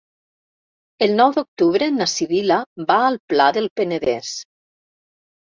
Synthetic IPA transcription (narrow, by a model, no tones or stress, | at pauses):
elˠnɔwðok̚t̪uβɾenasiβilabaːlˠplaðəlˠpeneðes